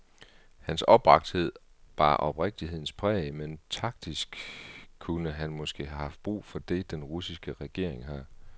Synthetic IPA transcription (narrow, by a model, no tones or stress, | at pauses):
hænsɒ̽b̥ʁɑ̈ɡ̥̚d̥he̝ð̞̰ˠ | ʋɑ̈ʔɒ̽b̥ʁeɡ̥̚d̥iɦe̝ðˠn̩spʰʁɛ̰ːment͡sʰɑ̈ɡ̥̚d̥isɡ̥kʰːunəɦænmɒ̽sɡ̥e̝̰ːhæhɑ̈fd̥̚b̥ʁṵːfɒ̽d̥e̝d̥enʁusisɡ̥əʁɛɡ̥e̝ɐ̰eŋɦɑ